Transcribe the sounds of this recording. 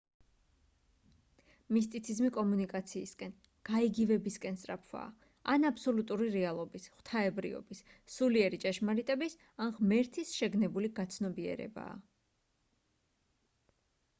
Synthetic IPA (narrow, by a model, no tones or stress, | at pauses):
mis̬t̪ʼit̪sʰizmikʼɔmunikʼat̪sʰiːskʼɛn | ɡ̥aiɡivɛbiskʼɛnsʼɾapʰwa̰ː | anapʰsɔlut̪ʼuɾiɾɛalˠɔbisχw̥t̪ʰaɛbɾḭɔ̰bis | suliɛɾit͡ʃʼɛʃmaɾit̪ʼɛbis | anʁmɛɾt̪ʰisʃɛɡnɛbuliɡat̪sʰnɔbiɛ̰ɾɛ̰ba̰ː